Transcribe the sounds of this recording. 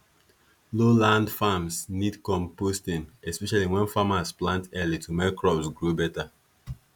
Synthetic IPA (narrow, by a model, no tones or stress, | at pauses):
lolãndfamsnidkɔ̃mpostĩnɛspɛʃaliwɛ̃nfamasplãntɛlitʰumɛkɹɔbsɡɹubɛta